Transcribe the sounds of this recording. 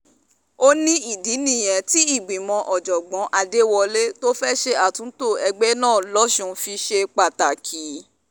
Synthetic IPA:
o˦nĩ˦i˦˨di˨˦nĩ˦˨j̃ɛ̃˨˦ti˦i˦˨ɡ͡bĩ˨mɔ̃˧ʔɔ˨d͡ʒɔ˨ɡ͡bɔ̃˨˦ʔa˧de˦wɔ˧le˦to˦fɛ˦ʃe˧a˨tũ˨˦to˦˨ɛ˧ɡ͡bɛ˦nãː˦˨lɔ˦ʃũ˧˦fi˧ʃe˧k͡pa˨ta˨kʰi˨˦

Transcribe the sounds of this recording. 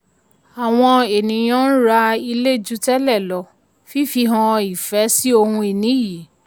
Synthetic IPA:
a˨w̃ɔ̃˧e˨nĩ˨˦j̃ã˦n̩˦ɾa˧i˧le˦˨d͡ʒu˦tɛ˦lɛ˦˨lɔ˧˦ | fi˦˨fi˧ɦã˧i˨fɛ˨˦si˦o˧hũ˧e˨nĩ˨˦ji˨˦

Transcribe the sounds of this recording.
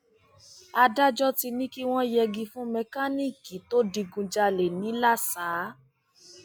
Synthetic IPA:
a˧da˦d͡ʒɔ˦ti˧nĩ˦ki˦w̃ɔ̃˦jɛ˧ɡĩ˧fũ˦mɛ˧ka˦nĩ˦ki˨˦to˦di˧ɡũ˧d͡ʒa˧le˨nĩ˨˦la˦˨saː˨˦

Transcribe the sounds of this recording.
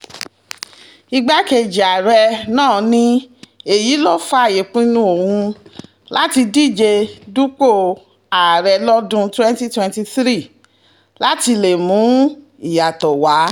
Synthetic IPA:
i˧ɡ͡ba˦ke˧˨d͡ʒi˨a˨ɾɛ˧nãː˦˨nĩ˦e˨ji˨˦lo˦fa˧˦˨je˨k͡pĩ˦nũ˧˦o˨hũ˧ | la˦ti˧di˦˨d͡ʒe˧du˦k͡po˦˨ | a˨ɾɛ˧lɔ˦dũ˦twɛ̃˦nti˦twɛ̃˧nti˧θɾi˦˨ | la˦ti˧le˨mũ˨˦ | i˦˨ja˨tɔ˨wa˨˦

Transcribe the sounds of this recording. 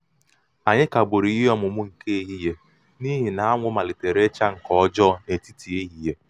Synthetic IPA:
a˨ɲɪ˦ka˨bʊ˨ɾi˨˦ɦɔ˦mʊ˨mʊ˦ŋ̩˨ke˦e˦˨ɦi˦je˦ | ni˦ɦi˨na˨a˦ŋʷʊ˦ma˨lɪ˨te˨ɾe˦t͡ʃa˦ŋ̩˨kɔ˨˦d͡ʒɔ˦ne˨ti˦ti˨e˦ɦi˨je˦

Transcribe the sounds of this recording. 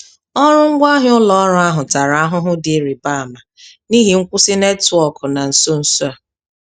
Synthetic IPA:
ɔ˦ɾʊ˦ŋ̩˦ɡʷa˦ɦɪ˦ʊ˦lɔ˦ɔ˦ɾʊ˦a˦ɦʊ˨ta˨ɾa˨a˦ɦʊ˦ɦʊ˦dɪ˨e˨˦ɾi˨ba˦a˨ma˨ni˦ɦi˨ŋ̩˦kʷʊ˦si˦ne˦tʊ˨˦ɔ˦kʊ˨na˨n̩˨so˦n̩˨su˦a˨

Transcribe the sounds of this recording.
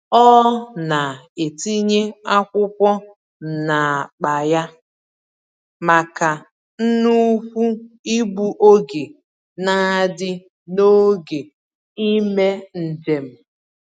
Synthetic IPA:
ɔ˦na˨e˨ti˦ɲe˦a˦kʷʊ˦kʷɔ˦ | na˨a˨k͡pa˨ja˦ | ma˨ka˨ | n̩˦nu˦kʷu˦i˦bu˨ʔo˦ɡe˨ | na˦˨dɪ˦ | no˦ɡe˨ | i˦me˦n̩˨d͡ʒe˨m̩˨

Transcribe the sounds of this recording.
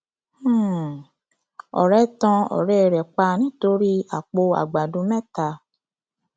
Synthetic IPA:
ɔ̰˨ɾɛ˦tã˧ɔ̰˨ɾɛ˨ɾɛ˨k͡pa˧nĩ˦to˧ɾi˦a˨k͡po˧a̰˨ɡ͡ba˨dũ˧mɛ̃˦ta˧˦

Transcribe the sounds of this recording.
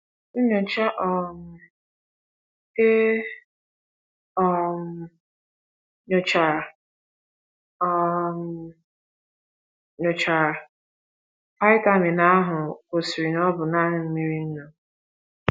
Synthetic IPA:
ʊ˦ɲo˨t͡ʃa˦ʔɔ˨m̩˨ | e˦ | ɔ˦m̩˨ | ɲo˨t͡ʃa˨ | ɔ˦˨m̩˨ | ɲo˨t͡ʃa˨ | pa˦ɪ˦ta˦mɪ˨na˦ɦʊ˨ko˨si˨ɾi˨nɔ˦bʊ˨na˦ɦʊ˨m̩˦mi˦ɾi˦n̩˦nɔ˨

